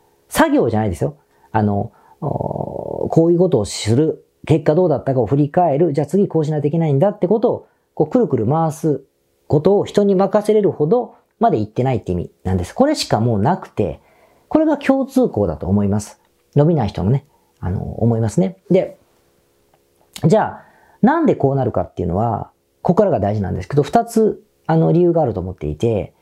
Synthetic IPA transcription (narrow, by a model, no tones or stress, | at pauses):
saɡʲo̞ːʑanaid̪e̞sɨjo̞ | ano̞̰ | kʰo̞ːjɯ̟ːko̞t̪o̞ːɕɨɾɯ̟ | ke̞kːad̪o̞ːd̪at̪ːakao̞ɸɯ̟ɾʲikae̞ɾɯ̟d͡ʑaːt͡sɨɡʲiko̞ːɕinajt̪ikʲenaĩnd̪at̪ːe̞ko̞t̪o̞ː | ko̞ːkɯ̟ɾɯ̟kɯ̟ɾɯ̟maβasɨ | ko̞t̪o̞ːçi̥t̪o̞ɲ̟imakaseɾe̞ɾɯ̟ho̞d̪o̞ | mad̪e̞it̪ːe̞nait̪ːe̞ḭmʲḭnãnd̪e̞sɨ̥ko̞ɾe̞ɕi̥kamo̞ːnakɯ̟̥t̪e̞̰ | ko̞ɾe̞ɡakʲʰo̞ːt͡sɨːko̞ːd̪a̰t̪o̞ːmo̞imasɨ̥ | no̞bʲinaiçit̪onone̞ | a̰no̞̰ːmo̞imasɨne̞d̪e̞ | d͡ʑaː | nãnd̪e̞ko̞ːnaɾɯ̟ka̰t̪ːe̞iɯ̟no̞̰βa̰ | ko̞kːaɾaɡad̪aiʑinã̰nd̪sɨ̥ke̞d̪o̞ɸɯ̟̥t̪at͡sɨ | ano̞ɾʲijɯːɡaːɾɯ̟t̪o̞ːmo̞t̪ːe̞̰ḭt̪e̞